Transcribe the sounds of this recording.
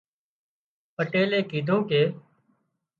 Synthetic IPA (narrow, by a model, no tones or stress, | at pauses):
pəʈeːleːkiːd̪ʱõːkeː